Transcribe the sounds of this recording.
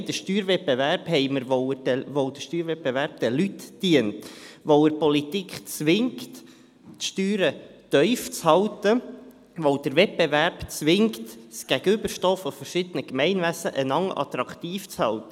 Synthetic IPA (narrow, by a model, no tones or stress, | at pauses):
d̥̪əʃtyːɾvɛt̚bevæɾb̥hɛɪməɾʋovod̥əʃtyːɾvɛt̚bevæɾb̥̚d̥̪ɛlytdiəntʋoəɾpɔlit̪ikχt͡sʋɪŋkt | ʃtyːɾət̪œʏft͡shɑlt̪ə | ʋoʊd̥̪əɾvɛt̚b̥evæɾb̥t͡sʋɪŋkt̪sɡ̥æɡəʏbəɾʃtoːfɔfəɾʃɪd̥̪ənəkmɛɪnvæsəʔənɑŋʔɑ̰t̪ɾɑkt̪iːft͡shɑlt̪ə